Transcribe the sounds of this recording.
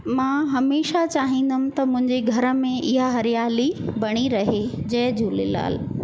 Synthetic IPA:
mãːɦɐmeːʃat͡ɕaːɦĩːn̆d̪əmɪ̆t̪ɐmʊ̃ɦɪ̃ɲd͡ʑeɡʱɐɾə̆mẽʔɪɦaɦɐɾijaːlibɐɽ̃iɾɐɦed͡ʑɐɦd͡ʑuːlɪ̰la̰ːl

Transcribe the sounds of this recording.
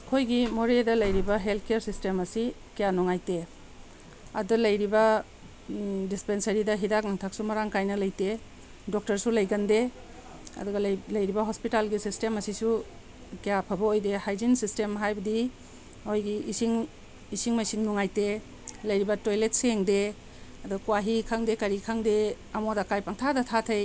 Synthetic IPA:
kʰojɡimoɾedɐlɐjɾibɐɦeltʰkejaɾsistemɐsi | kejanɔŋajte | ɐ̰dulɐjɾibɐ | dispensɐɾidɐɦidak̚naŋtʰak̚sumɐɾaŋkajnɐlɐjte | dɔk̚tɐɾsulɐjɡande | ɐ̰dɔɡɐlɐjɾibɐɦɔspitalɡisistemɐsisu | kijapʰɐbɐojdehajzinsistemɦajbɐdi | ojɡiːsiŋ | isiŋmajsiŋnuŋajte | lɐjɾibɐtojlet̚seŋde | ɐdɔkuwaɦikʰaŋdekɐɾikʰaŋde | ɐmodakajpaŋtʰadɐtʰatʰej

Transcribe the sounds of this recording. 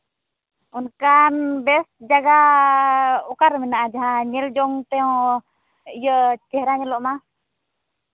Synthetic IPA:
ɔnkanbɛsd͡ʒaɡa | ɔkaɾmɛnaʔad͡ʒaɦãɲɛld͡ʒɔŋt̪ɛɔ̃ | ijət͡ʃɛhɾaɲɛlɔʔma

